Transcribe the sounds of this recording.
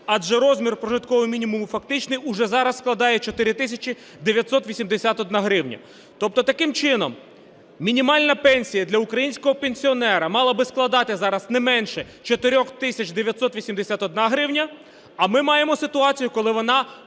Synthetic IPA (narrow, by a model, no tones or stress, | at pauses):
ɑd͡ʒɛɾɔzmʲirpɾɔʒɪt̪kɔʋɪmʲinʲimumʊfɐk̚t̪ɪt͡ʃnɪjʊʒɛzɑɾɐsːklˠɐd̪ɑjɛt͡ʃɔt̪ɪɾʲɪt̪ɪsʲɐt͡ʃi | d̪eʋʲjɐt̪sɔt̪ʋʲisʲimd̪esʲat̪ɔd̪nɑɦɾɪwnʲɐ̰ | t̪ɔp̚t̪ɔt̪ɐkɪmt͡ʃɪnɔm | mʲinʲimɑlʲnɐpɛnʲsʲijɐd̪lʲɐukɾɐjinʲsʲkɔɦɔpenʲsʲiɔnɛɾɐmɑlˠɐbɪsklˠɐd̪ɑt̪ɪzɑɾɐznɛmɛnʃɛ | t͡ʃɔt̪ɪɾʲɔxt̪ɪsʲɐt͡ʃd̪eʋʲjɐt̪sɔt̪ʋʲisʲimd̪esʲat̪ɔd̪nɑɦɾɪwnʲɐ | ɐmɪmɑjemɔsɪt̪ʊɑt͡sʲijʊkɔlˠɪʋɔnɑ